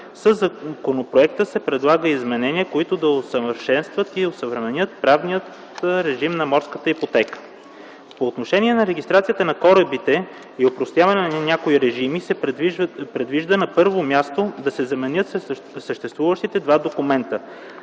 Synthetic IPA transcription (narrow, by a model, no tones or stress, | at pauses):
səzɐkonopɾoɛkt̪əsɛpɾɛd̪lˠaɡəizmɛnɛnʲiəkoit̪od̪ɐosəvəɾʃɛnst̪vət̪iosəvɾɛmɛnʲət̪̚pɾavnijət̪ | ɾɛʒimnɐmɔɾskət̪əipot̪ɛkə̥ | poːt̪noʃɛniɛnɐɾɛɡ̟ist̪ɾat̪sijət̪ənɐkɔɾəbit̪ɛ | iopɾost̪javɐnɛnɐnɐnʲakoiɾɛʒimisɛ | pɾɛd̪viʒd̪ənɐpɤɾvomʲjast̪od̪ɐsɛzɐmɛnjɤt̪ | səʃt̪ɛst̪vuvəʃt̪it̪ɛd̪vad̪okʊmɛnt̪ə